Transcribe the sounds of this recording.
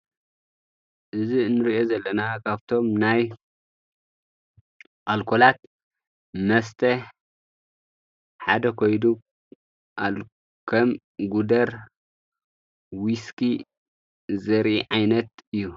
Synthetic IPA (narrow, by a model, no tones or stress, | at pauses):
ʔɨzinɨɾiʔo̞zɐlːɐnakʰaβt̪ʰo̞mnaj | ʔalkʰolat̪̚ | mɐst̪ʰɐ | ħad̪ɐkʰojd̪u | ʔal | kʰɐm | ɡud̪ɐɾ | wiski | zɐɾʔiʕajnɐt̪̚ɨjːu